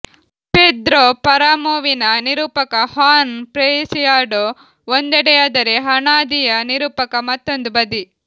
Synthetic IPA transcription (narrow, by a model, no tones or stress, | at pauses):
peːd̪ɾoːpɐɾaːmoːʋinɐniɾuːpɐkɐhaːnpɾesijaːɖo | ond̪ɛɽɛjaːd̪ɐɾeɦɐɳaːd̪ijɐniɾuːpɐkɐmɐt̪ːo̞nd̪ubɐd̪i